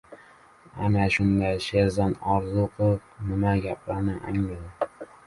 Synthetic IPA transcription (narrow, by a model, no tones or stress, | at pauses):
anaʃʊnd̪aʃezanɒɾzʊqʰɨvnɪmaɡʲap̚ʰlanɪʔa̰ŋlad̪ɪ